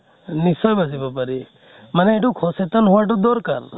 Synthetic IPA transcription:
nisɔjbasibɔpaɾi | manɛeʈukʰɔset̪ɔnɦuaʈ̬ud̪ɔɾkaɾ

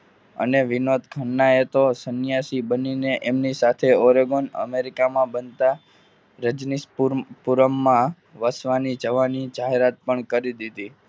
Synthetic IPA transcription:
ə̰neʋinod̪kʰəɳːaet̪osənjasibənineʔemnisat̪ʰeoɾeɡonə̰meɾikamãbənt̪a | ɾəd͡ʒnispuɾəmːã | ʋəsʋanid͡ʒəʋanid͡ʒaɦeɾat̪̚pəɳkəɾid̪id̪i

